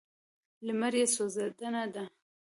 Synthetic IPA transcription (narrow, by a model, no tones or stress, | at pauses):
ləmaɾjesozad̪anad̪a